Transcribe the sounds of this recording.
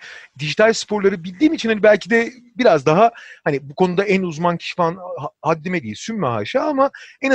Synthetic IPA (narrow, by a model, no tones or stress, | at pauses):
d̪iʒit̪ʰalʲspʰo̞ɾlˠaɾɯbilʲd̪iːmit͡ʃʰinhanibælʲcʰid̪ɛbiɾazd̪aɦahanibukʰo̞nud̪aænuzmancʰi̥ʃfanhad̪ːimed̪ijisymmaɦa̰ʃaamaɛn